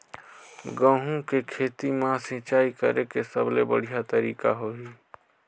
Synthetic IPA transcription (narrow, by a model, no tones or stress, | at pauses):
ɡə̃ɦũkekʰeːt̪imãsĩt͡ʃaːikəɾekesəblebə̰ɽ̤ijat̪əɾiːka̰ɦoɦiː